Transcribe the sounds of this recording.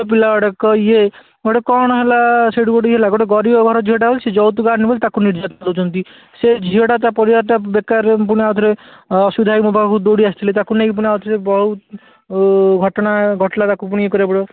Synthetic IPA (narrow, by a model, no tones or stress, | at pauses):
p̬ilaɔɽɔkɔje | ɡoʈekɔɽ̃ɔɦelaseɽuboɖiɦelaɡoʈeɡɔɾibɔɡʱɔɾɔd͡ʒʱioɽabolised͡ʒɔwt̪ɡaɾnibɔlit̪akuniɾd͡ʒat̪nalot͡ʃʰɔnt̪i | sed͡ʒʱiɦeɽat̪apɔɾibaɾʈabekaɾp̬uɽ̃iat̪ʰɔɾeɔsud̪ʱajmubakud̪oɽiast̪ʰilet̪akunekp̬uɽ̃iat̪ʰɾebɔɦut̪ | ɡʱɔʈɔnaɡʱɔʈlat̪akup̬uɽ̃iekɔɾebɔɽɔ